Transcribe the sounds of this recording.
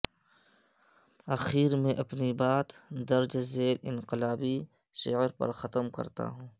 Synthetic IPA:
ɐxiːɾmẽʔɐpnibaːt̪d̪ɐɾd͡ʒzeːlɪ̃nqɪlaːbi | ʃɪəɾpɐ̰ɾxɐt̪əmkɐ̰ɾt̪a̰ɦũː

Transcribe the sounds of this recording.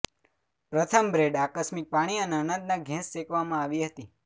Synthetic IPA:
pɾət̪ʰəmbɾeɖakəsmɪk̚paɽ̃iəneəɳ̃ə̃nd̪naɡʱɛ̃sːekʋamãaʋiɦət̪i

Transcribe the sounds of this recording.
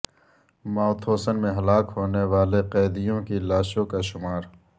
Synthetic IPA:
maːʊt̪ʰoːsənmẽɦɐlaːkɦoːneʋaːleqɛːd̪ijõkilaːʃõkaʃʊmaːɾ

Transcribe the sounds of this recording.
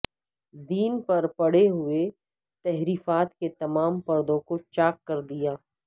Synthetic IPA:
d̪iːnpɐɾpɐɽ̤eɦʊe | t̪ɛɦɾiːfaːt̪ket̪ɐmaːmpɐɾd̪õkot͡ʃaːkːɐɾd̪ijaː

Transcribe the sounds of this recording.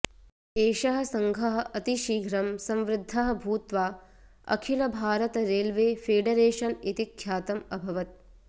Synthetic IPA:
eːʃɐɦɐ̆sɐŋɡʱɐɦɐ̆ʔɐt̪iʃiːɡʱɾɐmsɐ̃mʋɾɪd̪ʱːɐɦɐ̆bʱuːt̪ʋaː | ɐ̰kʰilɐbʱaːɾɐt̪ɐɾeːlʋeːfeːɖɐɾeːʃɐnit̪ikʰːjaːt̪ɐmɐbʱɐʋɐt̪̚

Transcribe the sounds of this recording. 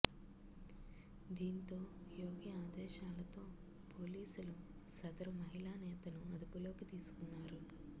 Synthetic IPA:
d̪iːnt̪o̞ːjoːɡiaːd̪ɛːʃaːlɐt̪o̞ː | poːliːsulu | sɐd̪ɐɾumɐɦilaːnɛːt̪ɐnuɐd̪upulo̞ːkit̪iːsu̥kunːaːɾu

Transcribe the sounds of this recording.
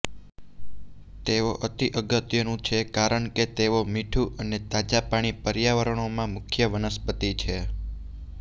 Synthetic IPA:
t̪eʋoʔət̪iʔəɡət̪jənũt͡ʃʰekaɾəɳket̪eʋomiʈʰuʔənet̪ad͡ʒapaɽ̃ipəɾjaʋəɾəɳomãmʊkʰjəʋənəspət̪it͡ʃʰe

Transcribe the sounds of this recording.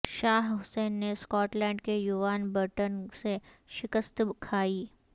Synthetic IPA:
ʃaːɦɦʊseːnːeskɔːʈlɛ̃ːɳɖkejuʋaːnbəɾʈənseʃɪkəst̪bkʰaːiː

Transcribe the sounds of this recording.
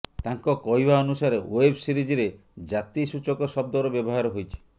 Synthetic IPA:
t̪aŋkɔkɔjbaɔnusaɾeoebsiɾid͡ʒiɾe | d͡ʒat̪isut͡ʃɔkɔsɔb̚d̪ɔɾɔbjɔbɔɦaɾɔɦojt͡ʃʰi̥

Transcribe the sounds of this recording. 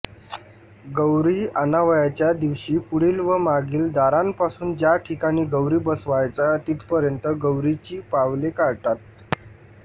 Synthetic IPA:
ɡəwɾiːənaʋjat͡ɕjad̪iʋɕiːpuɽiːlʋəmaɡiːld̪aɾampasuːnd͡ʑjaʈʰikaɽ̃iːɡəwɾiːbəsʋajt͡sat̪it̪pəɾjənt̪əɡəwɾit͡ɕiːpaʋlekaɾʈ̪at̪̚

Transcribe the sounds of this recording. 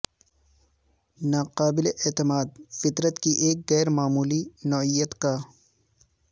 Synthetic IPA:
naːqaːbɪleʔeːt̪ɪmaːd̪̚fɪt̪ɾət̪kiʔeːk̚ɣɛːɾmaːmuːlinɔːijət̪kaː

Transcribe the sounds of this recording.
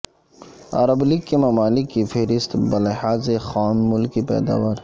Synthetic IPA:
ɐ̰ɾəbliɡkemɐmaːlɪkːifeɦɾɪst̪bɐlehaːzexaːmːʊlkipɛ̰ːd̪a̰ːʋaːɾ

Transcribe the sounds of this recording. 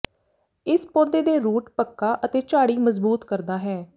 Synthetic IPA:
ɪspoːd̪eːd̪eːɾuːʈpəkːaːʔət̪eːt͡ʃaːɽiːməzbuːt̪kəɾd̪aːɦɛː

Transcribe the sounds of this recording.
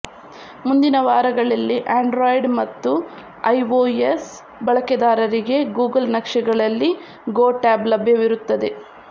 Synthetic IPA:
mund̪inɐʋaːɾɐɡɐɭɐlːiʔaːɳɖɾoːjɖmɐt̪ːu | ɐjʋoːes | bɐɭɐkɛd̪aːɾɐɾiɡe̞ɡuːɡɐlnɐkʂɐɡɐɭɐlːi | ɡoːʈaːblɐbʱjɐʋiɾut̪ːɐd̪e̞

